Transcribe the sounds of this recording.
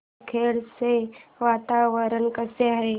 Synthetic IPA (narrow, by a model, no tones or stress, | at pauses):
kʰeːɽseʋat̪aʋəɾənkəseaɦe